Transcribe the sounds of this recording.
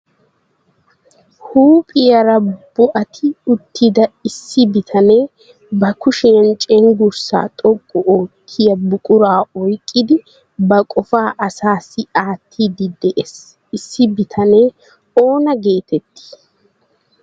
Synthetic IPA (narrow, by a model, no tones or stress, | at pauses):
huːpʼɪjɐɾɐb̥ʊʔɐt̪ʰɪʊt̪ːɪd̪ɐɪsːɪbɪt̪ʰɐne̞ː | bɐkʊʃɛjɐnt͡ʃʼɛŋɡʊɾsa̰ːt̪ʼɔkʼːɔʔoːkʰːɪjɐbʊkʼʊɾaːɔjkʼːɪd̪ɪ | bɐkʼɔfaːʔɐsaːsːɪaːt̪ʰːiːd̪ɪd̪ɛʔes | ɪsːɪbɪt̪ʰɐne̞ː | o̞ːnɐɡeːt̪ɛt̪ːɪ̥